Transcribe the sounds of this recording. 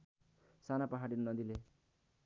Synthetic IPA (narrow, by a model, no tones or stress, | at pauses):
sanapʌɦaɽinnʌd̪ile